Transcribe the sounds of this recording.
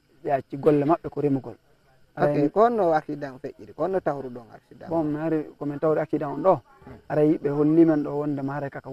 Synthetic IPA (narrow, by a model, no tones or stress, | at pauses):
ɓɛat͡ʃːiɡɔlːɛmaɓːɛkɔɾimuɡɔl | ʔaɾakɔnɔwakidanfeʔiɾikɔnɔtawuɾuɗɔŋa̰sida̰bɔmːaɾikɔmɛntawɾiakidamɔnɗɔ | aɾajiɓɛholːimɛnɗɔwɔndɛmahaɾakaka